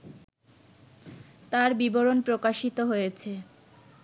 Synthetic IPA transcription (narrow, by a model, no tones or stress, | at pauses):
t̪aɾbiboɾonpɾokaʃit̪oɦojet͡ɕʰe